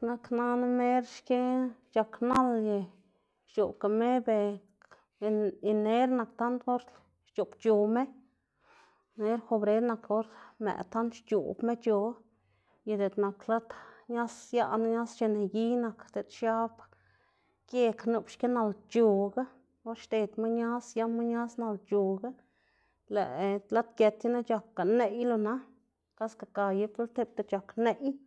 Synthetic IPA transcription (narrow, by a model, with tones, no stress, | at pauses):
na˧kna˦n˦me˦ɾʃke˦t͡ʃa˧kna˦lje˧ | t͡ʃu˨ka˨me˦be˧ | i˧ne˦ɾna˨kt̪a˦nt̪o˦ɾ | ʃt͡ʃo˨pt͡ʃu˨me˦ | ne˦ɾxo˧bɾe˦ɾna˨ko˦ɾmḛ˨t̪a˦nt̪ʃt͡ʃṵ˨bme˦t͡ʃo˧ | je˧d̪e˨t̪na˨kla˦t̪ɲa˦sja˦ʔna˧˦ɲa˦st͡ʃe˧ne˨ɡi˦na˨kd̪e˨t̪ʃja˦b | kje˦˧knu˨pʃke˦na˧lt͡ʃu˧ɡa˦ | o˦ɾʃt̪e˨t̪ma˦ɲa˦sja˦ma˦ɲa˦sna˧lt͡ʃu˨ɡa˦ | lɛ˨ʔla˦t̪kʲe˧t̪ja˦na˦t͡ʃa˨k̚ɡa˨ne˧ʔjlo˧na˦ | ka˦ska˧ka˧je˧˦po˦lt̪e˦p̚t̪e˧t͡ʃa˨kne˧˨ʔj